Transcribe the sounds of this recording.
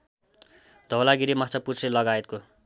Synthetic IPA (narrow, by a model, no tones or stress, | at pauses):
d̪ʱʌwlaɡiɾimat͡sʰʌpusʰelʌɡaet̪̚ko